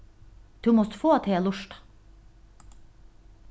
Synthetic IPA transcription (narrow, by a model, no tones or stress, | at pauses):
d̪̥ʉːmɔst̪foːɑt̪ʰeːlʊʃʈɑ̥